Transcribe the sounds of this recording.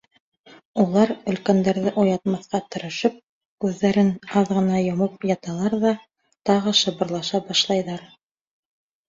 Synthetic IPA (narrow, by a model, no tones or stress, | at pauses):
ulˠɑɾɵ̆lkænd̪æɾðɘʔujɑt̪mɑθqɑt̪ŏɾɤ̆ʃɤp̚ | kʉðːæɾɘnɑðʁɤ̆nɑjŏmɤp̚jɑt̪ɑlˠɑɾðɑ | t̪ɑʁɤ̆ʃɤ̆bɤ̆ɾlˠɑʃɑbɑʃlˠɑjðɑɾ